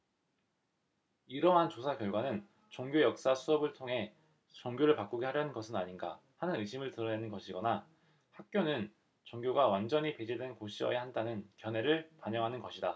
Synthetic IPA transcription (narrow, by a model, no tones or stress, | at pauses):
iɾʌɦant͡ɕosʰakjʌɭɡwanɯn | t͡ɕʌŋɡʲjojʌk̚s͈asʰuʌbɯɭtʰoŋɦe̞ | t͡ɕʌŋɡjoɾɯɭpak͈uɡeɦaɾjʌnɯnɡʌsʰɯnaɲinɡa̰ | hanɯnɯɕʰimɯɭtɯɾʌne̞nɯnɡʌɕʰiɡʌna | hak̚k͈jonɯn | t͡ɕʌŋɡjoɡawand͡ʑʌɲipe̞d͡ʑidwe̞nkoɕʰiwʌ̰ehandanɯnkjʌnɦe̞ɾɯɭpaɲʌŋɦanɯnɡʌɕʰida